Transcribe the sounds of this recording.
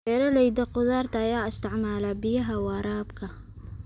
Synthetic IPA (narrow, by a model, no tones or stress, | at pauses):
ɛɾɐlɛjd̪ɐqʊðaːrt̪ʰɐːjaːɪst̪ʰɪʕmaːlaːbɪjɐɦɐwɑːɾaːbkʰɐ